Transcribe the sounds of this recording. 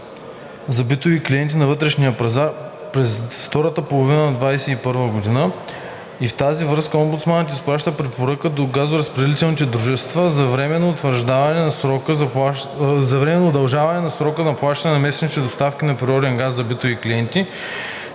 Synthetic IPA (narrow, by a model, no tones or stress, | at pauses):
zɐbit̪oviklʲijɛnt̪̬inɐvɤt̪ɾɛʃnijəpɐzaɾ | pɾɛsft̪ɔɾət̪əpolˠovinənɐd̪vajsɛipɤɾvəɡod̪inə | ift̪azivɾɤskəɔmbut̪smant̪isplˠaʃt̪əpɾɛpoɾəkəd̪oɡazoɾɐspɾɛd̪ɛlit̪ɛlnit̪ɛd̪ɾuʒɛst̪vəzɐvɾɛmɛnːoːt̪vəɾʒd̪avɐnɛnɐsɾɔkəz | zɐvɾɛmɛnoːd̪ɐlˠʒavɐnɛnɐsɾɔkəzɐplˠaʃt̪ɐnɛnɐmɛsɛnit̪ɛd̪ost̪afkʲinɐpɾiɔɾɛŋɡasːɐbit̪ovikliɛnt̪i